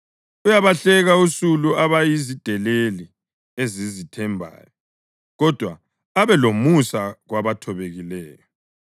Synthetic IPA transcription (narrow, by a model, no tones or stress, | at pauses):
ujaβaɬɛɣausuluaβajizid̥ʱɛleli | ezizitʰɛmbʱa̰ːjɔ | ɣɔd̥ʱwa̰ː | βɛlomusaɣwaβatʰɔβeɣilɛːjɔ